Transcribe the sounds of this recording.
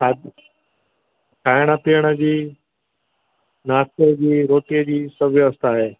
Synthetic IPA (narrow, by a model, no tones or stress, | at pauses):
kʰa | kʰaːjɽ̃apijəɽ̃əd͡ʑiː | naːsed͡ʑiːɾoːʈijəd͡ʑiːsəbʱjəst̪aːɦeː